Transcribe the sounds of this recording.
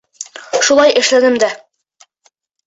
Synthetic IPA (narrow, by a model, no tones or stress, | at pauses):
ʃulˠɑjʔɘ̆ʃlænɘmd̪æ